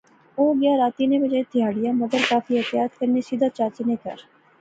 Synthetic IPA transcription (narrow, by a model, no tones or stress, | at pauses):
oːɡɪjaɾaːt̪inebɐd͡ʒaet̪ʰɪjaːɽɪjãmɐd̪əɾkaːfiɦɛt̪ɪjaːt̪kɐɾnesid̪ʱat͡ʃaːt͡ʃnekɐ̰ɾ